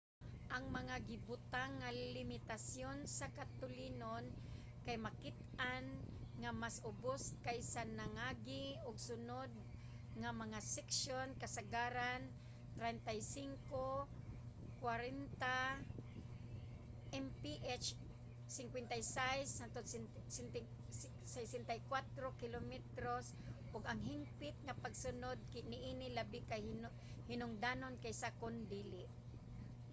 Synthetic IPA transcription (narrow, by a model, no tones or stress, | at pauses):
ʔaŋmɐŋaɡɪbʊt̪aŋːalɪmɪt̪asjonsakat̪ʊlinon | kajmakɪt̪̚ʔanŋamasʔʊboskajsanaŋaːɡɪʔʊɡsʊnod̪̚ | ŋamɐŋasɛksjonkɐsaɡaɾan | t̪ɾɛnt̪ajsiŋko | kwaɾɛnt̪a | ʔɛmpiʔɛt͡ʃ | sɪŋkwɛnt̪ajsajsat̪o | snt̪ | sɛjsɛnt̪ajkwat̪ɾokɪlomɛt̪ɾos | ʔʊɡaŋɦɪmpɪt̪̚ŋapaɡsʊnod̪̚nɪʔinɪlabɪkaj | hɪnʊŋd̪anonkajsakond̪iːlɪʔ